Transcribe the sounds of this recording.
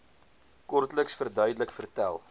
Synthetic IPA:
kɔrtləksfərdœɥdələkfərtæ̰lˠ

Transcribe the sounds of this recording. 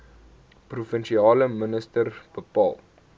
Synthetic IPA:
prufənʃiɑːləmənəstərb̥əpɑ̰ːlˠ

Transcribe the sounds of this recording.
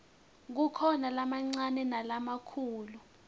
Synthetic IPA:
k̬ukʰɔnalamaŋ͡ǀanɛnalamakʰuːlu

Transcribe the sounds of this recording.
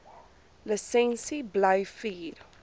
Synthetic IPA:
ləsɛ̃nsibləwfiːɾ

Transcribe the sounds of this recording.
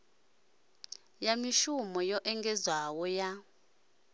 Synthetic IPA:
jamiʃumɔjɔʔɛŋɡɛzwawɔja

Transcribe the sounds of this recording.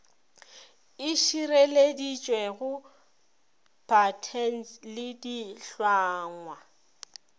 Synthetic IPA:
ɪʃiɾeledit͡ʃʼwɛɣʊ | b̥ʰʱʼatʰɛn̩slɪdiɬwaːŋwa

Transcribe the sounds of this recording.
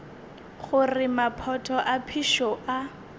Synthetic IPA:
χʊrɪmapʰɔtʰɔʔapʰiʃɔʔa

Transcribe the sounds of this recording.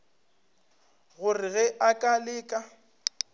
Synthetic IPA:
ɣʊrɪɣɛʔakʼalɪːkʼa

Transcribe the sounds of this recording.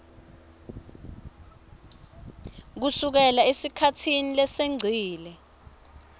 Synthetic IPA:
k̬usuk̬ɛlaesikʰatʰinilɛseŋ͡ǀʱiːlɛ

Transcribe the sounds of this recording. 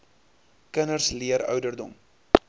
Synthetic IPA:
kənərsliəɾœ̰ɥdərdɔm

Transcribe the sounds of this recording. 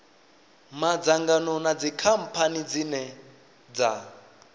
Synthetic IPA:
mad͡zaŋɡanɔnad͡zikʰam̩pʰanid͡zinɛ | d͡za

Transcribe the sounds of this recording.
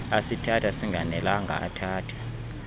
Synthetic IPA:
asitʰatʰasiŋɡʱanɛlaŋɡʱa̰a̰tʰaːtʰḁ

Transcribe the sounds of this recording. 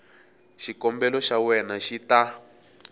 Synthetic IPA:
ʃikɔmbɛlɔʃawɛnaʃita

